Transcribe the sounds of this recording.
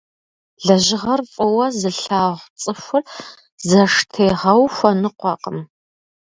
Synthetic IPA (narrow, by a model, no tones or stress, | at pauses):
ɮɐʒɪʁɐrfʼɔwɐzɨɬaːʁʷt͡sʼɨxʷʊr | zɐʂtʰeːʁɐwxʷɐnɨqʷɑqʼəm